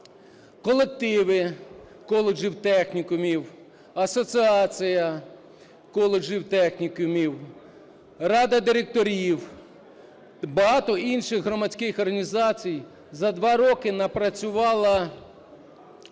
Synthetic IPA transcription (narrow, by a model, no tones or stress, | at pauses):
kɔlˠek̚t̪ɪʋɪ | kɔlˠed͡ʒiwt̪ɛxnʲikʊmʲiw | ɐsɔt͡sʲiɑt͡sʲijɐ | kɔlˠed͡ʒiwt̪ɛxnʲikʊmʲiw | ɾɑd̪ɐd̪ɪɾek̚t̪ɔɾʲiw | bɐɦɑt̪ɔʔinʃɪxɦɾɔmɐt͡sʲkɪxɔrɦɐnʲizɑt͡sʲij | zɐd̪ʋɑɾɔkɪnɐpɾɐt͡sʲʊʋɑlˠɐ